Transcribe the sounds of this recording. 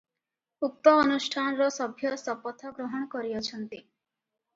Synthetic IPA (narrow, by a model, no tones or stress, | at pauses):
uk̚t̪ɔːnusʈʰanɔɾɔsɔbʱjɔsɔpɔt̪ʰɔɡɾɔɦɔɽ̃ɔkɔɾiɔt͡ʃʰɔnt̪i